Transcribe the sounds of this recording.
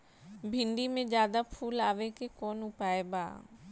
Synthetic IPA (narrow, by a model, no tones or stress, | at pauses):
bʱɪ̃ɳɖimẽd͡ʒjaːd̪apʰuːlaːʋekekɔːnʊpaːeba̰ː